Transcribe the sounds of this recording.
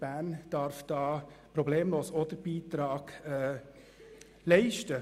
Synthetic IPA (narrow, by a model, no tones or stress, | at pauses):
b̥æːnd̥ɑːɾfd̥ɑːpɾɔbleːmloːsɔd̪əɾbiːtɾɑːɡ̥ɛː | lɛɪʃtə